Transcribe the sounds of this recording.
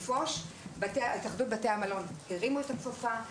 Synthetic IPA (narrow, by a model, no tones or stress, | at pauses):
foʃ | batet̪aχdut̚bateamalo̞nkeʁimuet̪akfofa